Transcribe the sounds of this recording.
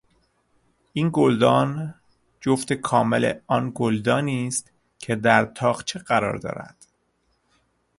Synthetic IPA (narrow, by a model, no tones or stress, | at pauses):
ʔiːnɡold̪ɒːn | d͡ʒoft̪ekʰɒːmelḛɒːnɡold̪ɒːniːst̪ | cʰe̞d̪æɾt̪ʰɒːɣt͡ʃʰeɢæɾɒ̰ːɾd̪ɒ̰ːɾæ̰d̪̥